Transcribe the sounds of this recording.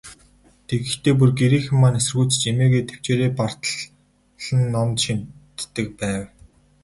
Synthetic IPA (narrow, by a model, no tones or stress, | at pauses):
t̪ʰeɣɘ̆xt̪eːp̬urɡeɾiːxɘ̆mːaːnesɘ̆rɣujʰt͡ɕ̆t͡ɕemeːɣeːt̪ʰe̥w̥t͡ɕeːɾeːpar̥t̪əɮ | ɮə̆nːɔmt̪ʃint̪ːɘ̆k̚pæːw